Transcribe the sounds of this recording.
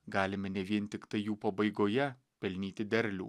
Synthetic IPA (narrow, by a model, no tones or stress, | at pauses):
ɡɑːlʲɪmʲɛnʲɛʋʲiɛnʲt̪ʲɪkt̪ɐɪjuːpɐbɐɪɡoːjɛ | pʲɛlʲnʲiːt̪ʲɪd̪ʲɛɾʲlʲṵː